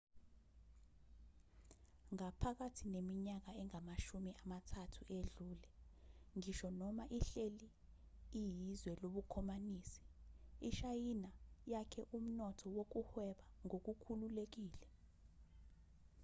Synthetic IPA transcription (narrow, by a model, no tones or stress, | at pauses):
ŋapʰak̬atʰinemiɲak̬aɛŋamaʃumiʔamatʰatʰuʔeɮuːlɛŋiʃɔnɔmaʔiɬeliː | jizwɛloɓukʰɔmaniːsi̥iʃajinajakʰɛʔum̩nɔtʰɔwok̬uhwɛɓaŋok̬ukʰululek̬iːlɛ